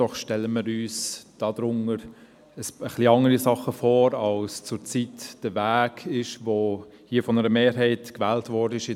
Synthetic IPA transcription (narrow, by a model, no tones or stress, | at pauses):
ɔχʃtɛlːəməɾyːsd̥ɑːd̥̪ɾʊŋəɾ | əsəχliɑŋəɾisɑχəfoːɾɑlst͡sʊɾt͡sitd̥əvæːkɪʃvohiːəfɔnəɾəmeːɾɦɛɪtkvɛːltvɔɾdəɪʃɪ